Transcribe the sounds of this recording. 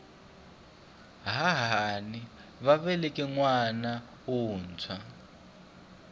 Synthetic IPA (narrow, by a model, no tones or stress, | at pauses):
ɦaɦani | βaβɛlɛkʼɛŋwana | wuːnt͡sʰwa